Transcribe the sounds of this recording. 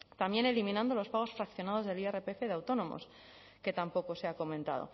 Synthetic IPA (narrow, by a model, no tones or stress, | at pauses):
t̪ambje̞ne̞limĩnãnd̪o̞lo̞spaɣ̞o̞sfɾakθjo̞nað̞o̞zðe̞lierepeefeðeawt̪o̞nõ̞mo̞̰s | ke̞t̪ampo̞ko̞seako̞mẽnt̪a̰ðo̞̰